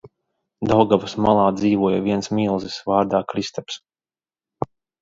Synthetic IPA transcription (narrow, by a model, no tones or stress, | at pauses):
d̪awɡavasmalˠaːd̪ziːvuɔjavʲiɛnsmilˠzisvaːɾd̪aːkɾist̪ɛps